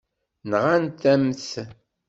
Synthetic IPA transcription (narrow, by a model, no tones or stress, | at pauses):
nʁant̪æmθ